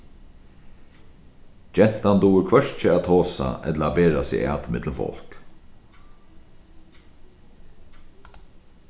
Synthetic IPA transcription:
d͡ʒɛn̥t̪and̪uːəɾkʰʋœʂt͡ʃəaːt̪ʰoːsa̰ʔɛ̰t̪ləaːbeːɾasɪ̰a̰ːt̪mɪt̪ləmfɔ̰l̥k

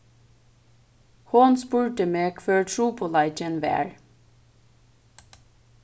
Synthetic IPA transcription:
hʊnspʉːɹʈəmeːkʰføːɹʈʰɹuːpʰoːlɑɪc͡çənʋæ̰ːɹ

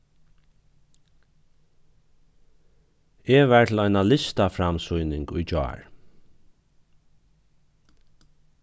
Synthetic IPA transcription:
eʋæɹt̪ʰɪlɔjnalɪst̪afɾamsujnɪŋkʊjt͡ʃɔ̰ːɹ

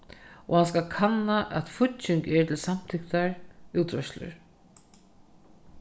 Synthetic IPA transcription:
ɔhans̬kalkʰanːaʔɛ̰t̪fʊtt͡ʃɪŋkɛɹt̪ʰɪlsam̥t̪ʰɪkt̪aɹuːt̪ʰɾœʃslʏ̰ɾ

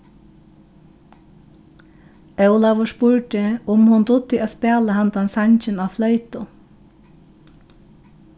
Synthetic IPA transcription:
œwlaʋʊʂpʊɹʈɪʊmhʊnd̪ʊt̪ːɪaːspɛːlahand̪ansaɲt͡ʃɪnaflœʏt̪ʊ

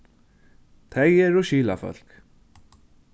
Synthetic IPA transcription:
t̪ʰejɛɾɔʃiːla̰fœ̰l̥k

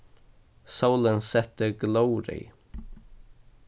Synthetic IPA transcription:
saʊlənsɛt̪əɡloʊɾɪ̰

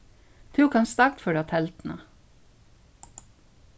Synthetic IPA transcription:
t̪ʰʉːkʰɑnst̪ɑkt̪føːɖɑt̪ʰɛlt̪n̩ɑ̰

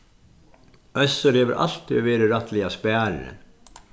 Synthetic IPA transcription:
ʔœsəɾeːʋəɾʔɑ̰lt̪ʰɪoːʋeːɾəɾɑt̪ʰlɪɑspæːɾɾə̰n

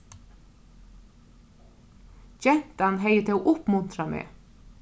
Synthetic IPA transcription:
d͡ʒɛn̥t̪anɦejət̪ʰɪoːʔʊpmʉnt̪ɾamḛː

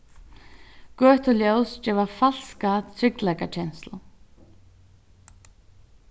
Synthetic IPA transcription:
ɡœːt̪ʰʊljowsd͡ʒɛːvafal̥skat̪ʰɾɪklajkat͡ɕʰɛnst̪la

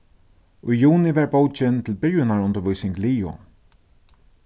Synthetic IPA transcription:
ʊjjuːnɪvɛɹbowt͡ʃɪnt̪ʰɪlbɪɹjɪnaɹʊnt̪əɾʋʊjsɪŋkliːʊ̰

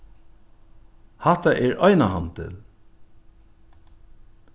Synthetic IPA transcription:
hat̪aʔɛɹʔɔjnaɦant̪ʰɪ̰l

